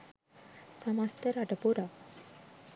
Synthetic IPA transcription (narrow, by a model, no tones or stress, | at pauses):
səmast̪əɾaʈəpoɾa